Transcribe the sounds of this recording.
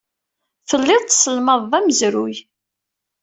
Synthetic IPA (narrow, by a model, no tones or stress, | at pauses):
θəlːɪðˤt̪səlməðˤːæməzɾuj